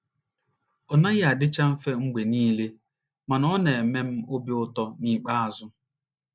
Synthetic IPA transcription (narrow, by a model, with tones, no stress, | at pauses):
ɔ˨na˦jdɪ˦t͡ʃa˦m̩˦fe˦ŋ͡m̩˦ɡ͡be˨niː˦le˦ | ma˨nɔ˦ne˨e˨me˦m̩˦o˦bi˦ʊ˦tɔ˦ni˦k͡pa˦a˨zʊ˦